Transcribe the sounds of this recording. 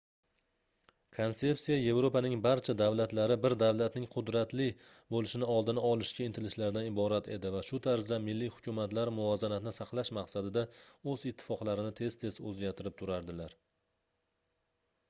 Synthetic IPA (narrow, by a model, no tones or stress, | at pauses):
kʰonse̞psijaje̞vɾopanɪŋbaɾt͡ʃʰad̪avlat̪laɾɪbɪɾd̪avlat̪nɪŋqʰʊd̪ɾat̪lɪ | bolɪʃɪnɪɒlˠd̪ɪnaɒlˠɪʃkʲaɪnt̪ʰɪlɪʃlaɾd̪anɪbɒɾat̪ʰe̞̰d̪ɪvaʃʊt̪ʰaɾzd̪amɪlːihʊ̥kʰʲʊmat̪laɾmʊɒzanat̪ɪnɪsɑqlˠaʃmaqsad̪ɪd̪aɵzɪt̪ʰːɪ̥fɒqlaɾɪnɪt̪ʰe̞z̥t̪ʰe̞zɵzɡʲaɾt̪ʰɪɾɪp̚t̪ʰʊɾaɾd̪ɪlaɾ